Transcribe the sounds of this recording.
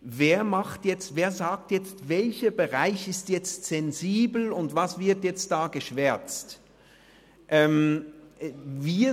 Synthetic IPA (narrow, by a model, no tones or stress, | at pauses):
veːɐmaχtjɛt͡stveːɐzaːk̚tjɛt͡stvɛlçəbəʁaɪçɪstjɛt͡stz̥ɛnziːbl̩ʊntvasv̥ɪɐtjɛt͡st̚d̥aːɡəʃv̥ɛɐt͡st | ʔɛːm | viː